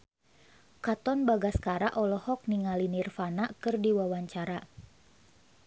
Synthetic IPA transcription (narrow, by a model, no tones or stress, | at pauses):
kat̪ɔnbaɡaskaɾaʔɔlɔhɔk̚niŋalinirfanaʔkɨrdiwawaɲt͡ʃaɾa